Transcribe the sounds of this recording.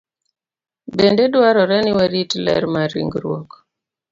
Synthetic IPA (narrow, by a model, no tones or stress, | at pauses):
bendedwaɾɔɾɛnɪwɛɾitlɛ̰ɾmaɾḭŋɡɾwɔ̰k